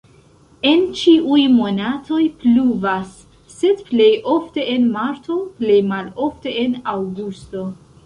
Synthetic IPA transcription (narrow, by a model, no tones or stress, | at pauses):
e̞nt͡ʃiʔujmo̞natʰo̞jpluvasː | e̞dple̞jo̞fte̞ʔenmaɾtʰo̞ple̞jmalo̞fte̞enawɡusto̞